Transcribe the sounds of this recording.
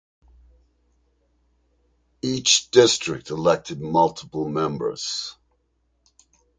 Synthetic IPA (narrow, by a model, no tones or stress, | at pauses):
it͡ʃd̥ɪstɹ̥ɪk̚təlɛk̚tʰɨd̚mʌlˠtʰəpl̩ˠmɛ̃mbə̰˞z̥